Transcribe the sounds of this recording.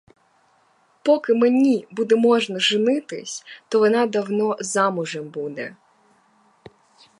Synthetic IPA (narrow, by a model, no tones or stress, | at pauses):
pɔkɪmenʲibud̪ɛmɔʒnɐʒɪnɪt̪ɪ̰sʲt̪ɔʋɔnɑd̪ɐwnɔzɑmʊʒɛmbud̪ɛ